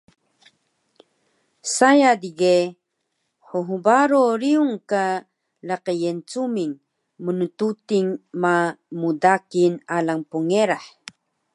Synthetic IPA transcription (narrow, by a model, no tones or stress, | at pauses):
sajadiɡe | ħuɦubaɾoɾiuŋka | laqəjent͡sumiŋ | munututiŋmamudakinalaŋpuŋeɾaħ